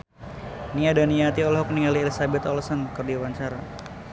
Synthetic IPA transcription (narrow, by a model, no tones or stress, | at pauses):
niadanijat̪iɔlɔɦɔkniŋɡalielisabɛt̪ɔlsənkɨrdiwaɲt͡ʃaɾa